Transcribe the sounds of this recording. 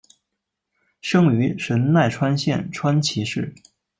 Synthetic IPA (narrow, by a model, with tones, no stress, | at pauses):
ʂɤ˥ŋy˧˥ʂə˧˥nna˥˩ɪʈ͡ʂʰwa˥nɕjɛ̰˥˩nʈ͡ʂʰwa˥nt͡ɕʰi˧˥ʂɻ̩˥˩